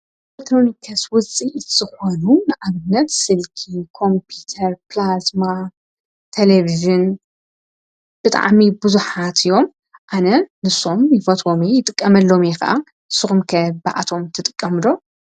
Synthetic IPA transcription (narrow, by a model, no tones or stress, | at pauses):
lekt̪ʰɾo̞nikʰɐswʊt͡sʼiʔɨz̥ɨxonunɨʕaβɨnːɐt̪sɨlkʰikʰo̞mpʰut̪ʰɐɾplasma | t̪ʰeleviʒɨn | b̥ɨt̪ʼa̰ʕmibɨzuħat̪ʰɨjo̞m | ʔanɐnɨso̞mjɪfɐt̪ʰʼo̞mejɪt̪ʼɨkʼːɐmɐlːo̞mexɐ̰ʔa̰ | ɨsɨxumkʰɐba̰ʔa̰t̪ʰo̞mt̪ʰɨt̪ʼɨkʼːɐmɨd̪o̞